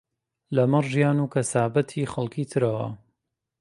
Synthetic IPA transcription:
lɐmɐɾʒijaːnuːkʰɐsaːbɐt̪ʰiːxɐlˠkit̪ʰɨɾɐwɐ̰

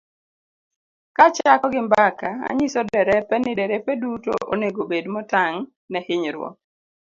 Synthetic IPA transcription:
kat͡ʃakɔɡɪmbakaa̰ɲɪsɔdɛɾɛpɛnɪdɛɾɛpɛduto̰ʔo̰neɡobedmɔtaŋ | nɛhɪɲɾwɔ̰

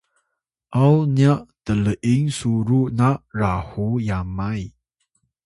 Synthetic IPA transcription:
ʔawnjaʔt̪ələʔiŋsuɾuʔnaʔrahujamaj

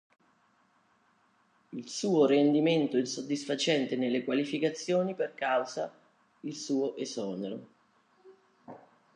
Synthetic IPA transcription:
ilsuːorend̪iment̪oɛsod̪ːisfat͡ʃɛnt̪enelːekwalifikat̪sːjoːniperkawza | ilsuːoʔezɔːneɾo̰

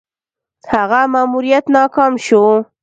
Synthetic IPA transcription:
haɣamaːmuɾijat̪nɑkɑmʃo

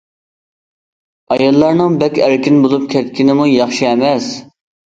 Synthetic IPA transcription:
ɑjɑlˠːɑɾnɨŋbɛkʲʰæɾkʲinbolˠup̚kʲʰɛt̪kʲʰinɪmujɑχʃiɛmɛs

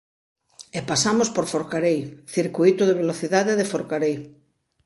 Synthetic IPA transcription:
epasamospoɾfoɾkaɾejθiɾkuit̪ʊðeβ̞eloθiðaðeðefoɾkaɾej

